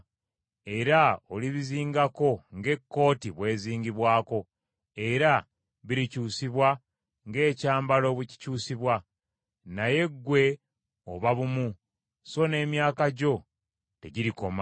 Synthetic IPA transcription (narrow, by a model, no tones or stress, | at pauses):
e̞ɾaoliβiziːŋɡako̞ŋɡe̞kːo̞ːtiβwe̞ːziːŋɡiβwaːko̞ | e̞ɾa | βiɾicuːsiβwa | ŋɡe̞ːcaːmbalo̞βuci̥cuːsiβwa | naje̞ɡːwe̞ | oβaβumu | so̞ne̞ːmjaːkaɟo̞ | te̞̰ɟiɾiko̞ma